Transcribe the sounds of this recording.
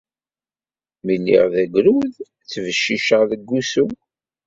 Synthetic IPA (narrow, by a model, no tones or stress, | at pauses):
minːḭʁðæɡʷɾuð | θvəʃːiʃəʁðəɡːusu